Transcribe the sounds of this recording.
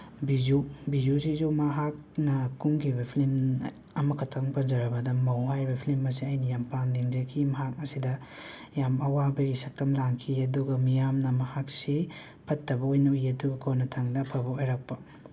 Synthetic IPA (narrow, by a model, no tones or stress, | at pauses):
bizubizusizumɐɦak̚nɐkuŋɡibepʰlim | ɐmɐkʰɐtʰɐŋpɐnzɐɾɐbɐdɐmɐwɦajbipʰlimɐs̬iɐjnɐjampandiŋd͡ʒɐkʰimɐɦak̚ɐsidɐ | jamɐwabeɾisɐk̚tɐmlaŋkʰiɐduɡɐmijamnɐmɐhak̚si | pʰɐtːɐbɐojnɐujɐduɡɐkʰonɐtʰaŋdɐpʰɐbɐojɾak̚pɐ